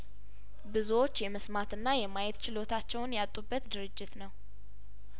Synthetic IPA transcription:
bɨzuwo̞t͡ʃːjɛməsmat̪ɨnːajɛmajɛt̪t͡ʃʰɪlo̞t̪ʰat͡ʃːɛwnjat̪ʼːubːət̪d̪ɨɾɨd͡ʒːɪt̪nəw

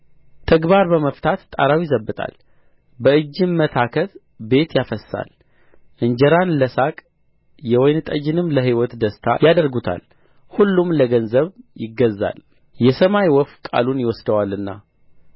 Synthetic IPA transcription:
t̪ʰəɡbaɾbəməft̪ʰat̪ːʼa̰ɾawjɪzəbːɨt̪ʼa̰l | bəɨd͡ʒːɨmːət̪ʰakʰət̪ | be̞t̪jafəsːa̰l | ʔɨɲd͡ʒɛɾanləsakʼ | jɛwɔjnt̪ʼəd͡ʒɪnɨmːləɦiwɔt̪d̪əst̪ʰa̰jad̪əɾɡut̪ʰa̰l | hulːumləɡənzəβjɪɡːəzːa̰l | jɛsəmajwɔfkʼa̰lunjɪwɔsd̪əwalɨnːa̰

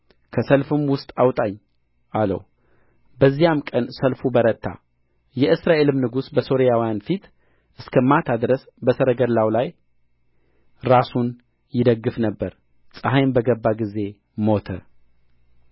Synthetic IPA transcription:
kʰəsəlfɨmwʊst̪ʼawt̪ʼaɲː | ʔalə̰w | bəzːijamkʼənsəlfubəɾət̪ʰːa̰ | jɛʔɨsɾaʔe̞lɨmnɨɡusbəso̞ɾijawjanfit̪ | ʔɨskʰəmat̪ʰad̪ɾəs | bəsəɾəɡəlawlaj | ɾasun | jɪd̪əɡːɨfnəbːəɾ | sʼəɦajmbəɡəbːaɡize̞ | mo̞t̪ʰə̰

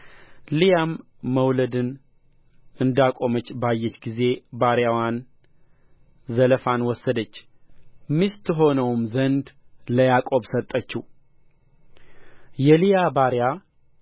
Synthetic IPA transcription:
lijamː | əwləd̪ɨn | ɨnd̪akʼo̞mət͡ʃːbajːɛt͡ʃːɡize̞baɾjawan | zələfanwɔsːəd̪ət͡ʃː | mist̪ɦo̞nəwmzənd̪ləjakʼo̞bsət̪ʼːət͡ʃːu | jɛlijabaɾja

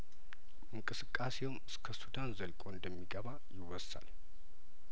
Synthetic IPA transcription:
ʔɨŋkʼɨsɨkʼːase̞wmɨskʰəsud̪anzəlkʼoɨnd̪əmːiɡəβajɪwɔsa̰l

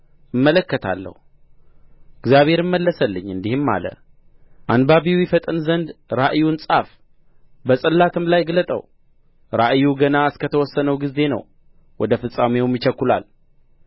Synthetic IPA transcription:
ɨmːələkːət̪ʰa̰lːə̰hu | ɨɡzjaβhe̞ɾɨmːəlːəsəlːɨɲːɨnd̪ihɨmːa̰lə̰ | ʔanbaβiwjifət̪ʼɨnzənd̪ɾaʔjunsʼaf | bəsʼəlːat̪ʰɨmlajɡlət̪ʼə̰w | ɾaʔjuɡənaɨskət̪ʰəwɔsːənəwɡize̞nə̰w | wɔd̪əfɨsʼamewumjɪt͡ʃəkːula̰l

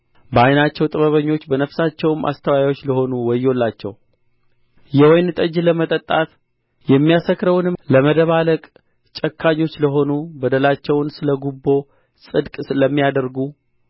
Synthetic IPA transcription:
bəajnat͡ʃːɛwt̪ʼɨβəβəɲːo̞t͡ʃːbənəfsat͡ʃːɛwɨmʔa̰st̪ʰəwajajwo̞t͡ʃːləho̞nuwɔjːo̞lːat͡ʃːɛ̰w | jɛwɔjnɨt̪ʼəd͡ʒləmət̪ʼət̪ʼːat̪ | jɛmːijasəkɾəwnɨləməd̪əβaləkʼ | t͡ʃʼəkʰːaɲːo̞t͡ʃːləɦo̞nubəd̪əlat͡ʃːɛwnsɨləɡubːo̞ | sʼɨd̪kʼsɨləmːijad̪əɾɡu

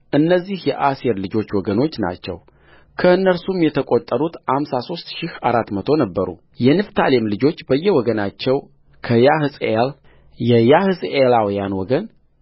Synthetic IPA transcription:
ʔɨnːəzːihjɛʔaseɾlɨd͡ʒo̞t͡ʃːwɔɡəno̞t͡ʃːna̰t͡ʃːɛ̰w | kʰəɨnːəɾsumjɛt̪ʰəkʼo̞t̪ʼːəɾut̪hamsaso̞st̪ʃɪhaɾat̪ːmət̪ʰo̞nəbːəɾṵ | jɛnɨft̪ʰalemlɨd͡ʒo̞t͡ʃːbəjːɛwɔɡənat͡ʃːɛw | kʰəjahɨsʼel | jɛjahɨsʼelawjanwɔɡən

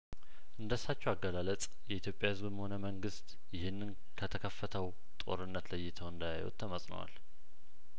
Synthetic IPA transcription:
ʔɨnd̪əsːat͡ʃːɛwaɡːəlalət͡sʼ | jɛʔit̪ʰjo̞pʼjahɨzbɨmho̞nəməŋɡɨst̪ | jɪhɨnːɨn | kʰət̪ʰəkʰəfːət̪ʰəw | t̪ʼo̞̰ɾɨnːət̪ləjːɪt̪ʰəwɨnd̪ajajṵt̪ʰːəməsʼnə̰wa̰l

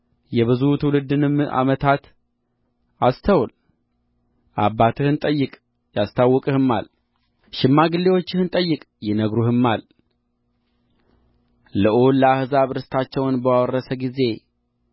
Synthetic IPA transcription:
jɛβɨzut̪ʰɨwlɨd̪ːɨnɨma̰mət̪ʰat̪ | ast̪ʰəwl | ʔabːat̪ʰɨhɨnt̪ʼəjːɨkʼ | jast̪ʰawːɔkʼɨhɨmːa̰l | ʃɪmːaɡɨlːewo̞t͡ʃːɪhɨnt̪ʼəjːɨkʼjɪnəɡɾuhɨmːal | ləʔoləahɨzaβɨɾɨst̪ʰat͡ʃːɛwnbəwawrːəsəɡize̞

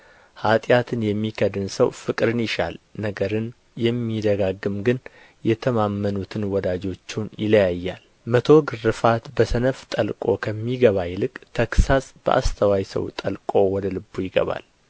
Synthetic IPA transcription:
hat̪ʼjat̪ʰɨnjɛmːikʰəd̪ɨnsəwfɨkʼɾɨnjɪʃa̰lnəɡəɾɨn | jɛmːid̪əɡaɡːɨmɡɨn | jɛt̪ʰəmamːənut̪ʰɨnwɔd̪ad͡ʒo̞t͡ʃːunjɪləjajːal | mət̪ʰo̞ɡɨrːɨfat̪bəsənəft̪ʼəlkʼo̞̰kʰəmːiɡəβajlɨkʼt̪ʰəksasb̥ə̰ʔa̰st̪ʰəwajsə̰wt̪ʼəlkʼo̞wɔd̪əlɨbːujɪɡə̰βa̰l

